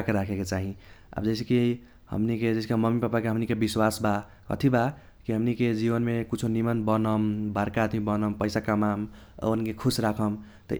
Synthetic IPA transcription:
keɾakʰeket͡ʃaɦĩa̰bd͡ʒʌsekii | hʌ̰mniked͡ʒeɪskamʌmːipapakeɦəmnikebiswasba | kʌ̰t̪ʰiba | kiɦəmniked͡ʒibənmekut͡ʃʰonimənbʌnʌmbaɾkad̪mibʌnʌmpəjsakəmamʌ̰ənkekʰusɾakʰʌm | t̪ʌ̰

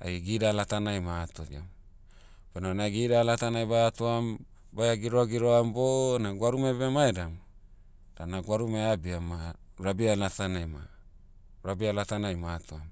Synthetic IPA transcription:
a̰jɡidalatanajmatodia̰m | penonaɡidalatanajbatoam | bajaɡiɾoaɡiɾoambonaɡwaɾumebeamaedam | d̥anaɡwaɾumeabiama | ɾabialatanajma̰ | ɾabialatanajmatoam

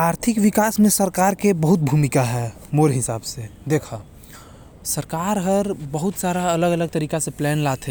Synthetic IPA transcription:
aːɾt̪ʰɪkwɪkaːsmẽsəɾkaːɾkebəɦʊt̪̚bʱumɪkaɦɛː | moɾeɦɪsa̰ːbsed̪eːkʰa | səɾkaːɾɦəɾbəɦʊt̪saːɾaɐləɡələɡ̚t̪əɾiːkaseplɛːnlat̪ʰɛ

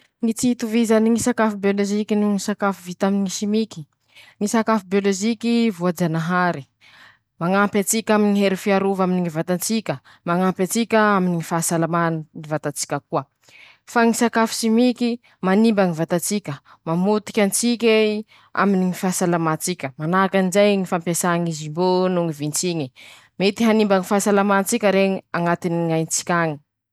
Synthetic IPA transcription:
ŋit͡sit̪uvizaniŋisakafubioloʒikinuŋisakafuvit̪aminiŋisimikʲi̥ | ŋisakafubioloʒikivuad͡ʒanaɦaɾi | maŋampʲat͡sikʲaminŋiɦeɾifiaɾuvaminiŋivat̪ant͡sikʲə | maŋampat͡sikʲaaminiŋifasalamannivat̪at͡si̥kʲəkuə | faŋisakafi̥simikʲi | manimbaŋivat̪at͡sikʲə | mamut̪i̥kʲant͡sik̬ʲe | a̰miniŋifasalamat͡sikʲəmanakanizajŋifampasaŋizimbonuŋivint͡siŋi | met̪iɦanimbaŋifasalamant͡sikʲəɾeŋiaŋat̪iniŋajnt͡si̥kʲaŋi̥

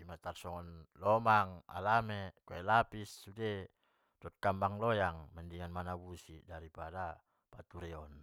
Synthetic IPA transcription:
imat̪arsɔŋɔnlɔmaŋa̰lamɛkoɛlapisːudɛ | dɔt̪̚kambaŋlɔjaŋmɛndiŋanmanabusidaɾipada | pat̪uɾɛɔn

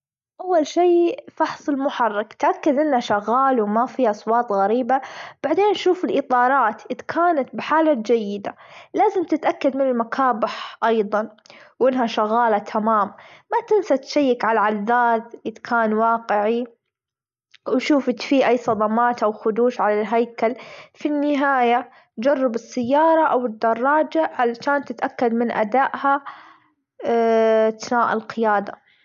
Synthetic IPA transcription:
ʔawːalʃiːfɑħsˤɪlmʊħɑrˤːɑkt̪ʔakːad̪ʔɪnːhaʃaɣːaːlwmafiːʔɑsˤwɑːt̪ˤɣaɾiːbab̥aʕd̪eːnʔaʃuːfɪlʔɨt̪ˤɑːɾˤɑːt̪ʔɪd̪kʰaːnat̪̚bɪħaːlad͡ʒajːɪd̪alaːzɪmt̪ɪt̪ʔakːad̪mɪnɪlmakʰaːbɪħʔɑjðˤɑn | wʔɪnːɦaʃaɣaːlat̪ʰamaːmːat̪ɪnsat̪ʃajːɪkʕalaʕaðːaːd̪ʔɪd̪kʰaːnwɑːqɪʕi | wʃuːfɪt̪fiʔajsˤɑd̪ˤɑmɑːt̪ʔawxʊd̪uːʃʕalalɦajkalfinːɪɦaːja | d͡ʒɑrˤːɪbɪsːajːɑːɾˤɑʔawɪd̪ːɑrˤːɑːd͡ʒaʕalaʃaːnt̪ɪt̪ʔakːad̪mɪnʔa̰d̪aːʔha | t̪naːʔɪ̰lqɪjaːd̪a

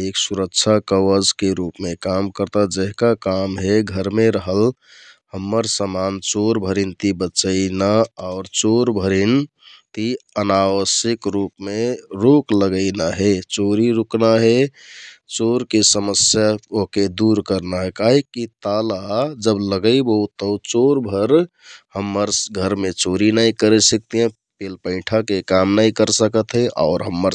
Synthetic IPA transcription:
eksuɾəkt͡ʃʰakəwəd͡ʒkeɾupmekamkəɾt̪ad͡ʒəɦkakamɦeɡʱəɾmeɾəɦəl | həmːəɾsəmant͡ʃoɾbʱəɾint̪ibəːt͡ʃəɪnaaʊɾt͡ʃoɾbʱəɾin | t̪iənawəsikɾupmeɾokləɡəɪnaɦet͡ʃoɾiɾuknaɦe | t͡ʃoɾkesəməsjaoked̪uɾkəɾnaɦekaɦikːit̪alad͡ʒəbləɡəɪboɦut̪ːət͡ʃoɾbʱəɾ | həmːəɾɡʱəɾmet͡ʃoɾinaikəɾesək̚t̪iɦẽ | pelpə̃ɪʈʰakekamnaikəɾsəkət̪ɦɛʔa̰ʊɾɦəmːəɾ

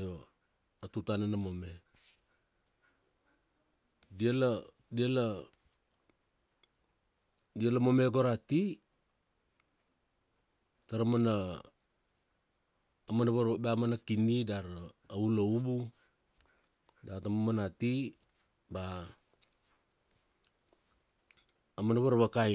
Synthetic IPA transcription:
jo | atutanenamome | diela | diala | dialamo̞me̞ɡo̞ɾati | taɾamana | manaβaɾbamanakinidaɾauloubu | datamomanati | ba | manaβaɾβakaj

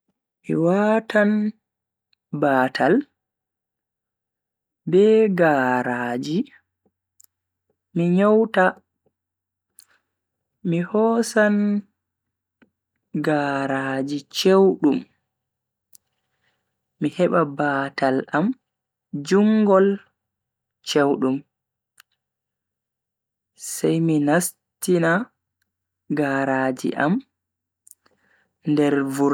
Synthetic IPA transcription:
mḭwatan | baːtʰal | bɛɡaːɾaːd͡ʒi | miɲɔwta | mihɔːsan | ɡaːɾaːd͡ʒit͡ʃewɗum | ihɛɓabaːtʰalam | d͡ʒuŋɡɔl | t͡ʃewɗum | sɛjminas | tina | ɡaːɾaːd͡ʒḭʔa̰m | ndɛɾvu

